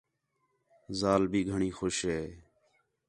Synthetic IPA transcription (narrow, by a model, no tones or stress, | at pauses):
zaːlbʱiːɡʱəɳiːxoːʃɦeː